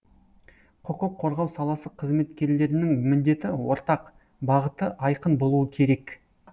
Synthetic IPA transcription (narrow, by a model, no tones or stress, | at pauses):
qʰoqʊqʰːo̞ɾʁɑwsɑlˠɑsəqʰəzme̞t̪kʲe̞ɾle̞ɾɪnɪŋmɪnd̪e̞t̪ɪwo̞ɾt̪ɑq | bɑʁət̪əʔɑjqənbo̞lˠuəkʲʰe̞ɾe̞k